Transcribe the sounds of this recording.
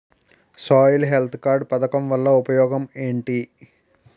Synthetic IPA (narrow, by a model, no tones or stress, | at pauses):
saːjlɦelt̪ʰkaːɾɖ̚pɐd̪ɐkɐmʋɐlːɐupɐjɔːɡɐmeːɳʈi